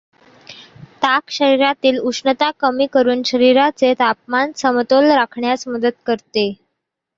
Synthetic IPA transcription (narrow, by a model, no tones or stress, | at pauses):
t̪akɕəɾiɾat̪iːluʂnət̪akəmiːkəɾuːnɕəɾiɾat͡set̪ap̚mansəmt̪olɾakʰɳjasməd̪ət̪̚kəɾt̪e